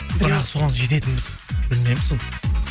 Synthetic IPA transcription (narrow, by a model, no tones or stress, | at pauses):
bɪɾɑqso̞ʁɑnʒe̞t̪e̞t̪ɪnbɪz̥bɪlɪne̞mɪzoɴ